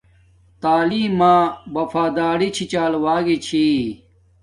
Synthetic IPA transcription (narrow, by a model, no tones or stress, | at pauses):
t̪aːliːmãːbɐfʰaːd̪aːɾit͡ɕʰit͡ɕaːlwaːɡit͡ɕʰi